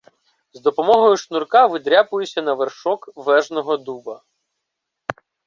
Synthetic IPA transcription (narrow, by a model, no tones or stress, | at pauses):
zd̪ɔpɔmɔɦɔjʊʃnurkɑʋɪd̪ɾʲapʊjʊsʲɐnɐʋerʃɔkʋɛʒnɔɦɔd̪ubɐ